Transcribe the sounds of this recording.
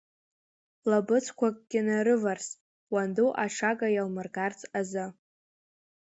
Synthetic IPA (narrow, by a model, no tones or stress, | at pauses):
labɨt͡sʷʰkʷʰakʼɡʲɪnaɾɨvarsʼ | wanduʔaʂʰaɡʼajalmɨrɡart͡sʼazɨ